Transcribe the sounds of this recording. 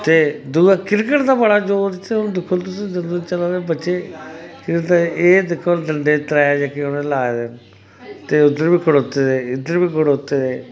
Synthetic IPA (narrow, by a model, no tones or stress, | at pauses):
t̪eːd̪uɡakɪɾkəʈd̪aːbəɽaːd͡ʒoːɾt̪eʊnd̪ɪkʰːʊlt̪ʊsĩd͡ʒənd̪ut͡ʃəlaːebətːʃeːkɪt̪aeːd̪ɪkʰːold̪əɳɖeːt̪ɾɛːd͡ʒakeonẽlaːd̪en | t̪eːʊd̪əɾbiːkʰʊɽoːt̪eːd̪eːɪd̪əɾbiːkʰoɽoːt̪ːeːd̪eː